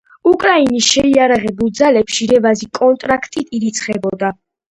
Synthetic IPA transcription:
ukʼɾainisʃɛiaɾaʁɛbulˠd̪zalɛpʃiɾɛvazikʼɔnt̪ʼɾakʰt̪ʼit̪ʰiɾit̪sʰχɛbɔd̪a

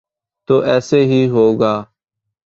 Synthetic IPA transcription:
t̪oːʔɛːseːɦiːɦoːɡaː

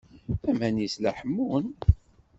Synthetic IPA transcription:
æmænislæħəmːun

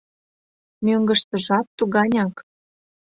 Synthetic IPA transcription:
møŋɡə̆ʃt̪ə̆ʒɑt̪ːuɣɑnʲɑk

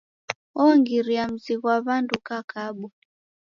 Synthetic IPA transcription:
ɔŋɡiɾiam̩ziɣwaβandukakaɓɔ

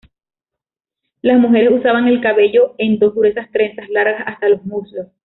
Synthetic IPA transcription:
lasmuxe̞ɾe̞susaβaŋe̞lkaβe̞ʝo̞e̞nd̪o̞sɣuɾe̞sast̪ɾe̞nsaslaɾɣasast̪alo̞smuslos

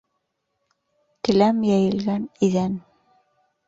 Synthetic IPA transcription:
t̪ɘ̆læmjæjɘ̆lɡæniðæn

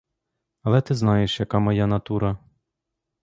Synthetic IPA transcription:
ɐlˠɛt̪ɪznɑjeʃjɐkɑmɔjanɐt̪uɾɐ

